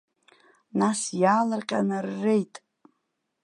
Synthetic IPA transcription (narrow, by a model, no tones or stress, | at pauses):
nasjaːlarqʲʼanarːejtʼ